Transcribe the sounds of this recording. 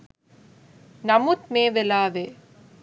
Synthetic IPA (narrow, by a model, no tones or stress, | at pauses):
nɐmut̪̚meːʋelaːʋe